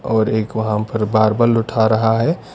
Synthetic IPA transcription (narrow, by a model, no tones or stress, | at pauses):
ɔːɾeːkʋɐɦãpɐɾbaːɾbəlʊʈʰaɾɐɦaɦɛː